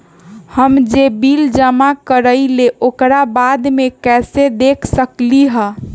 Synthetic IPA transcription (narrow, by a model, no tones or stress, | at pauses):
həmd͡ʒebild͡ʒəmakəɾəjleʔokɾabad̪mekɛsed̪ekʰsəkliɦə̃